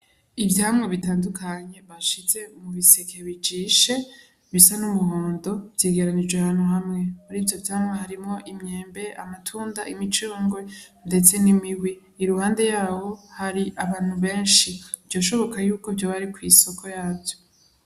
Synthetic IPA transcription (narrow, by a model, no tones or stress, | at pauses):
ivjaːhamŋe̞βitaːndukʰaɲe̞βaʃize̞umuβisekeβid͡ʒiːʃe̞ | βisanumuhoːndo̞vjeːɡe̞ɾanid͡ʒweaβaːn̥huhamŋe̞haɾivjo̞vjahamŋeɦaɾimŋo̞ʔimɲeːmbe̞ʔa̰matʰuːndaʔimit͡ʃuːŋɡwende̞t͡se̞nimiɡwi | iɾuhaːnde̞jaːho̞haɾiʔaβaːn̥huβe̞ːnʃibjo̞ːʃo̞βo̞kajuːkovjoβaɾikwiso̞kʰo̞jaːbjo